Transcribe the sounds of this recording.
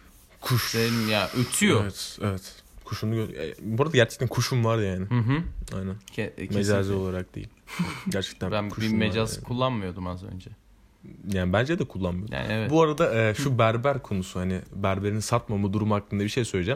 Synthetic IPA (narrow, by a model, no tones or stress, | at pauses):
kʰuʃeimjaʔøt̪ʰyjoevɛt̪evɛt̪kʰuʃumuɟø̰buɾad̪aɟæɾt͡ʃʰɛ̥t̪ʰænkʰuʃumvaɾjaːnɪhɦa̰jnænmed͡ʒazɯo̞lˠaɾak̚d̪̥ḛḭlʲɟæɾt͡ʃʰɛ̥ct̪ʰænækʰubimmed͡ʒazkʰulˠːanmɯjo̞d̪umazø̞̰nd͡ʒɛ | jaːnibænd͡ʒɛd̪ɛkʰulˠːanmɯj̪ja̰ɛɛbuaɾad̪aɛːʃubæɾbæɾkʰo̞nusuhanɪbæɾbe̞ɾinsat̪mamɯd̪uɾumuhaklːɯnd̪abiʃe̞jsø̞jlʲed͡ʒaːm